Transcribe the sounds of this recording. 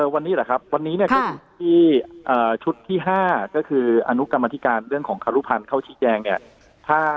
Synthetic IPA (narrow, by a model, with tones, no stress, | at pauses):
ʔɤː˧wa˧nːiː˦˥lɛ˨˩kʰa˦˥p̚wa˧nːiː˦˥ni˥˩ɯː˧˩u˧˦˥iː˥˩ʔɤː˨˩t͡ɕʰu˦˥t̪ʰːiː˥˩ɦaː˥˩kɔː˥˩kʰɯː˧ʔa˧nu˦˥ka˧ma˧t̪ʰi˦˥kaː˧nɾɯ˥˩əŋkʰɔː˩˦ŋkʰaː˧ɾu˦˥˩pʰa˧nkʰa˥˩wt͡ɕʰiː˦˥t͡ɕɛː˧ŋni˥˩ɐ | t̪ʰaː˥˩